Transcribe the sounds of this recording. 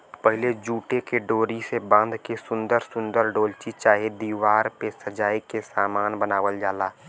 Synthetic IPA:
pəɦɪled͡ʒuːʈekeɖoːɾisebə̃nd̪kesʊ̃nd̪əɾsʊ̃nd̪əɾɖoːlt͡ʃit͡ʃaːɦed̪iːwaːɾpesəd͡ʒaːikesaːmaːnbənaːʋəld͡ʒaːlaː

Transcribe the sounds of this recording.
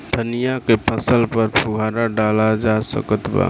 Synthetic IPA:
d̪ʱənijakepʰəsəlpəɾpʰuɡʱaɾaɖalad͡ʒasə̰kət̪ba̰

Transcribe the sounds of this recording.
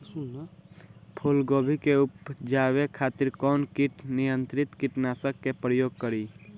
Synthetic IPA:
pʰulɡoːbʱikeupd͡ʒawekʰat̪iɾkɔːnkiʈnijənt̪ɾɪt̪kiʈnasəkːepɾəjoːɡ̚kəɾi

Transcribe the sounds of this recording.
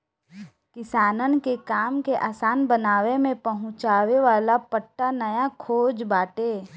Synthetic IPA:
kɪsaːnənkekaːmkeʔaːsaːnbənaːʋemẽpɐɦʊ̃t͡ʃaːʋeʋaːlapəʈːanəjakʰoːd͡ʒbaːʈeː

